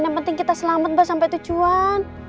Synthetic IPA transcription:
njampənt̪ɪŋkit̪asəlamat̪̚basampɛjt̪ut͡ʃuan

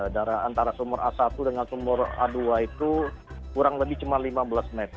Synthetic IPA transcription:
daɾaant̪aɾasumɔɾa̰sat̪udəŋansumɔra̰duait̪ukuɾaŋləbɪht͡ʃumanlimabəlasmet̪

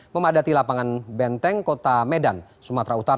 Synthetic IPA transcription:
məmadat̪ilapaŋanbɛnt̪ɛŋkot̪amɛdan | sumat̪ɾaut̪aɾ

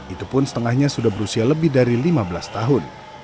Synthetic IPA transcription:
ʔit̪upʊnsə̥t̪əŋahɲasudahbəɾusialəbɪhdaɾilimabəlast̪aɦʊn

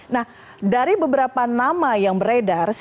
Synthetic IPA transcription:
nah | daɾibəbəɾapanamajaŋbəɾedars

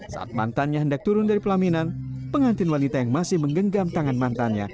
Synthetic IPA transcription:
sa̰ʔa̰t̪̚ma̰nt̪anɲaɦəndak̚t̪uɾʊndaɾipəlaminanpəŋant̪ɪnwanit̪ajaŋmasɪhməŋɡəŋɡamt̪aŋanmant̪anɲa̰

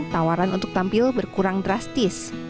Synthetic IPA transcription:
t̪awaɾanʔunt̪ʊ̥k̚t̪ampɪlbərkuɾaŋdɾast̪ɪs

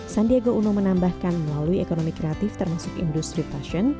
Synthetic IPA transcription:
sandieɡounʊmənambahkanməlaluiekonomikɾeat̪ɪft̪ərmasʊkḭndust̪ɾit̪aʃɔn

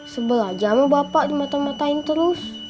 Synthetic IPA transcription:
səbəlad͡ʒamabapaʔdimat̪amat̪aint̪əɾʊs

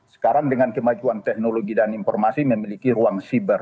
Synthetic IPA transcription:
sə̥kaɾaŋdəŋankəmad͡ʒuant̪ɛk̚noloɡidaninfɔ̰rmasiməmilikiɾuaŋsibər

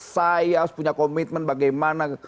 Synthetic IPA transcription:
sajaspuɲakɔmit̪̚mɛnbaɡajmana

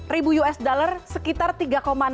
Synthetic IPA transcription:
ribujuɛsdalərsəkit̪art̪iɡakoman

